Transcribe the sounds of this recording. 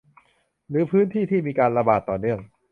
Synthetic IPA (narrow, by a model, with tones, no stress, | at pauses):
ɾɯː˩˦˥pʰɯː˦˥nt̪ʰiː˥˩t̪ʰiː˥˩miː˧kaː˧nɾa˧baː˨˩t̪ːɔː˨˩nɯ˥˩əŋ